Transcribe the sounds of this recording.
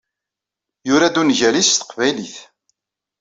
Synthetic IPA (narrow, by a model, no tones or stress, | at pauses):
jʊɾæd̪unʝælist̪ə̥qvæjliθ